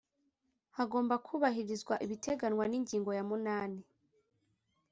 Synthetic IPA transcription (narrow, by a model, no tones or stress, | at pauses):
haɡoːmbakʰuːβahiɾizɡwaʔiβitʰe̞ɡanwaniɲɟiːŋɡo̞jamunaːni